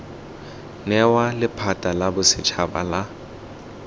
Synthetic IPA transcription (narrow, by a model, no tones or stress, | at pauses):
nɛwalɪpʰatʼalabʊsɪt͡ʃʰaba̰la